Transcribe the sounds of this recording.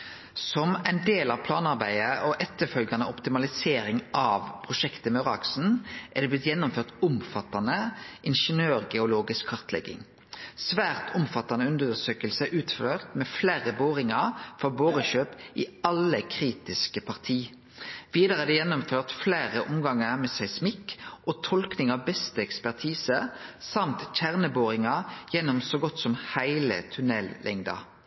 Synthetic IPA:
sɔmæɪnd̪eːlɑʋpʰlɑːnɑʁbæɪəʔɔʔɛt̪ːəfœlɡɑnəɔpt̪ɪmɑlɪseːɾɪŋʔɑːʋpʰʁʊʃɛkt̪əmœʁɑksn̩ʔæʁd̪ɛblɪt̪jɛnːʊmføːʁt̪ʊmfɑt̪ːɑnəʔɪnʃənøːʁɡɛʊloːɡɪskʰːɑʁt̪lɛ̰ɡːɪ̰ŋ | sʋæːʁt̪ʰʊmfɑt̪ːɑnəʉnd̪d̪əsøːkəlsəʔʉːt̪fløːʁt̪mɛflæːɾəboːʁɪŋɑɾfɔboːʁəʃøːpɪɑləkʰʁiːt̪ɪskəpʰɑʁt̪ʰiː | ʋiːd̪əʁəɛd̪ɛjɛnːɔmføːʁt̪fleːʁəʔʊmɡɑŋəʁmɛːsæɪsmɪkʔot̪ʰɔlknɪŋɑʋbɛst̪əɛkspæʁt̪ʰiːsəsɑmt̪c͡çæʁnəboːʁɪŋɑjɛnːɔmsɔːɡɔt̪ːsɔmhæɪlə̰t̪ʰʉnɛlːʔɛŋd̪ɑ̰

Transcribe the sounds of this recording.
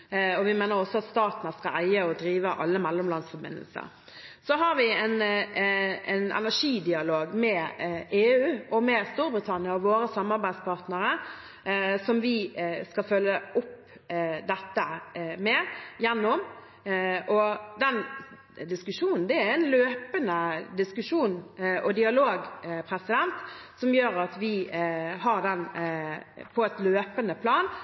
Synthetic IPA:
ɔʋɪmeːnəɾɔsːɔɑt̪st̪ɑːt̪nəskɑ̰lʔæɪəɔd̪ɾiːʋəʔɑlːəmɛlːɔmlɑnsfɔbɪ̰nə̰lsə̰ɾ | sɔɦɑɾʋɪɛn | ɛ̰nɛ̰næʂiːd̪ɪɑloːɡmɛeːʉːʔɔmɛst̪uːɾbɾɪt̪ʰɑnɪɑɔʋoːɾəsɑmːɑɾbæɪd̪spʰɑʁt̪nəɾə | sɔmʋɪskɑfœlːəʔʊp | d̪ɛt̪ːəmɛjɛnːɔm | ʔɔd̪ɛn | d̪ɪskʉʂuːnn̩d̪ɛæɾæɪnløːpənəd̪ɪskʉʂuːnʔɔd̪ɪɑloːɡpʰɾɛsɪd̪ɛnt̪sɔmjøːɾɑt̪ʋɪɦɑɾd̪ɛn | pʰɔɛt̪løːpənəpʰlɑːn

